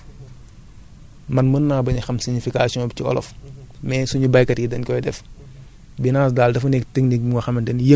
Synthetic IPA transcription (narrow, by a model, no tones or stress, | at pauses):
mɐnmənːaːbɐɲɐxɐmsiɲifikasiɔ̃bciɔ̰lɔ̰f | mɛːsuɲubɐjkɐtjidɐnkɔjdɛf | binaːs̬daːldɐfunɛktəŋnik̚buŋɔxɐmɐntɛnjə